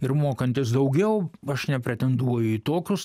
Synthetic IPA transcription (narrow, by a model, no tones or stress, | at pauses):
ɪɾmoːkɐnʲt̪ʲɪsd̪ɐʊɡʲɛʊɐʃnʲɛpʲɾʲɛt̪ʲɛnd̪uɔjʊiːt̪oːkʲʊs